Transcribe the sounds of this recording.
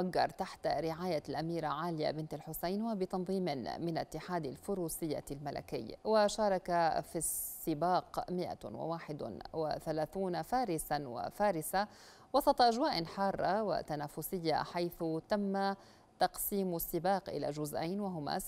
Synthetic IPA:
aɡːɑ̰ɾˤt̪aħt̪aɾɪʕaːjalʔamiːɾaʕaːlɪja̰bɪnt̪alħʊsajnwabɪt̪ɑnðˤiːmɪmɪnt̪ːɪħaːd̪alfʊɾuːsɪjːa̰lmala̰kɪ̰jːwaʃɑːɾˤɑkafisːɪbɑːqmɪʔa̰wɪ̰waːħɪd̪̰wɪ̰θalaːθuːnafaːɾɪsanwa̰faːɾɪsa | wɑsˤɑt̪ˤɑʔaʒwaːʔnħɑːrˤːɑwa̰t̪anaːfʊsɪjːa̰ħajθʊt̪amːa | t̪ɑqsiːmsːɪbɑːqʔɪ̰la̰ʒʊzʔa̰jnwaɦʊma̰

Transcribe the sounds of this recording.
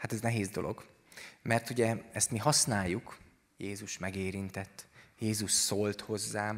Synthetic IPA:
hat̪ɛznɛɦeːzd̪o̞lo̞̰ɡ | mɛrt̪uɟɛɛst̪miɦɒsnaːjːuk | jeːzuʃmɛɡeːɾint̪ɛt̪ːjeːzuʃsolt̪ho̞zːaːm

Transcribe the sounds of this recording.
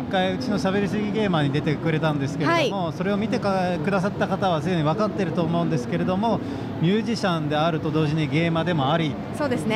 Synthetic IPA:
ikːaiɯ̟t͡ɕino̞ɕaβe̞ɾʲisɨɡʲiɡe̞ːmaɲ̟id̪e̞t̪e̞kɯ̟ɾe̞t̪ãnd̪e̞sɨ̥keeaoimo̞so̞ɾe̞o̞mʲit̪̬e̞kakɯ̟d̪as̬at̪ːakat̪aβ̞azɨẽɲ̟iβakat̪ːeɾɯ̟t̪o̞ːmo̞ɯ̟nd̪e̞sɨ̥ke̞ɾe̞d̪o̞mo̞ | mʲɨːʑiɕãnd̪e̞aɾɯ̟t̪o̞d̪o̞ːʑiɲ̟iɡe̞ːmad̪e̞mo̞aɾʲi | soːd̪esɨne

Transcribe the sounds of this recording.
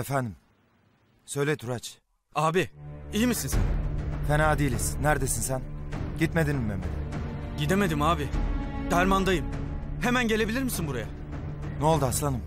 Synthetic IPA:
efænd̪im | sø̞jlʲet̪ʰɾat͡ʃ | aːbiijimisinsæ̰nfenaːd̪iːlʲiz̥næɾd̪e̞sinsænɟit̪me̞d̪inimːemeɟid̪e̞me̞d̪imaːbid̪æɾmand̪ajɯm | he̞mænɟe̞lʲe̞bilʲiɾmisinbuɾaja̰ | no̞lˠd̪aslˠanɯm

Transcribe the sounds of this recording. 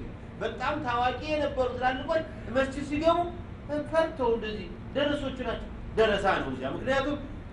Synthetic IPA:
bət̪ʼamt̪ʰawakʼijɛnəbːəɾusɨlalːɨkʼon | ʔɨməst͡ʃːɪsiɡəmu | fəɾt̪ʰːəwɨnd̪əzːih | d̪əɾəso̞t͡ʃːɪnat͡ʃːɛw | d̪əɾəsanəwmzjamɨknijat̪ʰum

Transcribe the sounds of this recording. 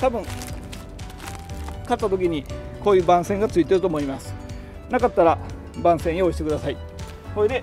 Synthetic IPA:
t̪abɯ̟̃ŋ | kat̪t̪ːat̪o̞kʲiɲ̟i | ko̞ːjɯ̟ːbãɰ̃sẽ̞ŋɡat͡sɨit̪e̞ɾɯ̟t̪o̞ːmo̞imasɨ̥ | nakat̪ːaɾa | bãsẽ̞ɰ̃jooɕi̥t̪e̞kɯ̟d̪asai | koed̪e̞

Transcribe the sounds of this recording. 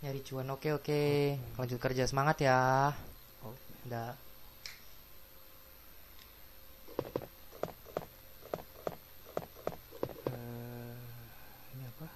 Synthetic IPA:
ɲaɾit͡ʃuanokeokelaɲd͡ʒʊt̪̚kərd͡ʒasəmaŋat̪jah | da | ə | iniapa

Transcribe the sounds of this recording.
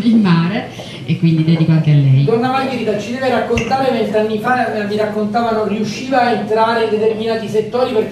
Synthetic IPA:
ilmaːɾe | ekːwind̪id̪ɛd̪ikwaŋt̪oalːɛjt̪ornamajviɾid̪at͡ʃid̪ɛːveɾakːont̪aːɾement̪ɾeanːifaaviɾakːont̪aːvanonriuʃːiːvaent̪ɾaːɾend̪et̪erminaːt̪iset̪ːoːɾiper

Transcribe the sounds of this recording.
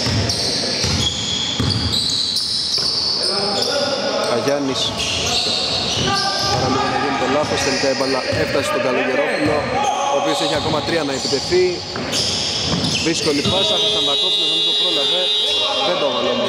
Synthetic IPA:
ɐʝɐnis | pɐɾɐliɣɐnɐʝinit̪o̞lɐθo̞st̪e̞likɐepɐlɐeft̪ɐset̪oɡɐlo̞ce̞ɾopolo | oːpio̞seçiɐko̞mɐt̪ɾiɐnɐepit̪e̞θi | ðisko̞lipɐsɐtosɐnðɐkoplosonisopɾo̞lɐveðend̪ovɐlomu

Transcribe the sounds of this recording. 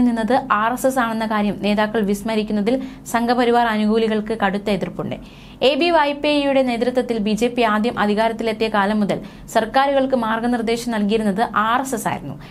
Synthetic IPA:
ninːɐðɨaːresesaːɳe̞nːɐkaːɾjɐmne̞ːðaːkːɐɭʋismɐɾikʲːunːɐðilsɐŋɡʱɐpɐɾiʋaːrɐnuɣuːliɣɐɭkɨkɐɽut̪ːɐeðirpːuɳɖɨ̰ | e̞ːbiʋɐjpijuɽe̞ne̞ːd̪ɾɐt̪wɐt̪ːilbid͡ʑe̞ːpːiaːd̪jɐmʔɐd̪ʱiɣaːɾɐt̪ːile̞t̪ːijɐkaːlɐmːuðɐl | sɐrkaːɾuɣɐɭkɨmaːrɡɐnird̪e̞ːɕɐmnɐlkijiɾunːɐðɨʔaːresesa̰ːjḭɾunːṵ

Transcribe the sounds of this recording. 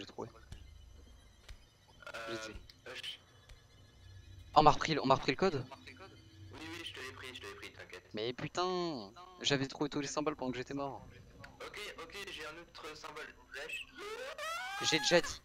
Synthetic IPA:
ʒet̪χuve | ʒei | ɔ̃maʁəpχilɔ̰̃maʁəpχiləkɔd̪ɔd̪wiwiʒət̪ɛpχit̪vɛpχit̪ɛ̃kʲɛt̪mɛpyt̪ɛ̃ | ʒavɛt̪χuvet̪ulesɛ̃bɔlpɑ̃d̪ɑ̃kʒeːt̪ɛmɔʁokʲeokʲeʒeɛ̃not̪χəsɛ̃bɔlfɛʃ | ʒed̪eʒad̪i

